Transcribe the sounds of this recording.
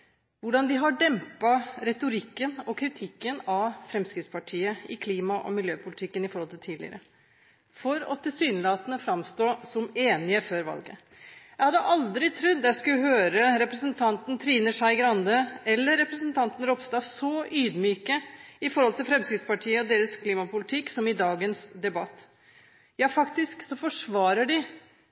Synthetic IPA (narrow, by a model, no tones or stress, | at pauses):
ʋʊɖɑnʋɪɦɑɖɛmpɑɾɛt̪ʊɾɪkːənɔkʰɾɪt̪ʰɪkːənɑfɾɛmskɾɪt̪spɑʈʰiːəɪkʰliːmɑʔɔ̰mɪljøːpʰʊlɪt̪ʰɪkːənɪfɔɾhɔlɪlt̪ʰiːd̪lɪ̰ə̰ɾə | fɔɾɔ̰t̪ʰɪlsyːnlɑːt̪ənəfɾɑmst̪oːsɔmeːnɪəføːɾʋɑ̰lɡə̰ | jæɪhɑd̪əʔɑld̪ɾɪt̪ʰɾʉd̪ːjæskʉɦøːɾəɾɛpɾəsənt̪ʰɑnt̪nt̪ʰɾiːnəʂæɪɡɾɑnd̪əɛlːəɾːɛpɾəsənt̪ʰɑnt̪ən̩ɾɔpst̪ɑːsɔyːd̪myːkəɪfɔɾhɔlt̪ɪlfɾɛmskɾɪt̪spɑʈʰiːəɔd̪eːɾəskʰliːmɑpʊlɪt̪ʰɪkːsɔmɪd̪ɑːɡənsd̪ɛbɑt̪ː | jɑːfɑkt̪ɪsksɔfɔʂʋɑːɾəɖɪ